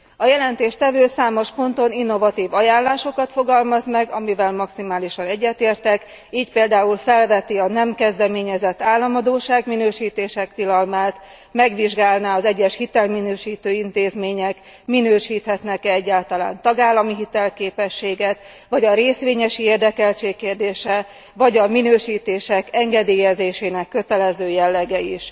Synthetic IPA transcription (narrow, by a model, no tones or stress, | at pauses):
ɒjɛlɛnt̪eːʃt̪ɛvøːsaːmo̞ʃpo̞nt̪o̞ninːo̞vɒt̪iːvɒjaːnlaːʃo̞kɒt̪fo̞ɡɒlmɒzmɛɡɒmivɛlmɒksimaːliʃɒnɛɟːɛt̪eːrt̪ɛk | iːcpeːld̪aːulfɛlvɛt̪iɒnɛmkɛzd̪ɛmeːɲɛzɛt̪ːaːlːɒmɒd̪oːʃaːɡminøːʃiːt̪eːʃɛkt̪ilɒlmaːt̪ | mɛɡʋiʒɡaːlnaːɒzɛɟːɛʃhit̪ɛlminøːʃiːt̪øːint̪eːzmeːɲɛk | minøːʃiːt̪hɛt̪nɛkɛɛɟːaːlt̪ɒla̰ːnt̪ɒɡaːlːɒmiɦit̪ɛlkeːpɛʃːeːɡɛt̪ | ʋɒɟɒɾeːsʋeːɲɛʃieːrd̪ɛkɛlt͡ʃeːkːeːrd̪eːʃɛ | vɒɟɒminøːʃiːt̪eːʃɛkɛŋɡɛd̪eːjɛzeːʃeːnɛkːøt̪ɛlɛzøːjɛlːɛɡɛiʃ